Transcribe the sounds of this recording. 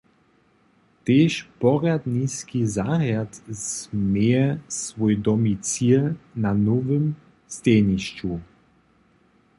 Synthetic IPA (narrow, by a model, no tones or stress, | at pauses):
t̪eːʃpɔʁad̪niskizaɣjat̪zmeɛsvɔjd̪ɔmit͡silnanɔvɘm | st̪eniɕt͡ɕu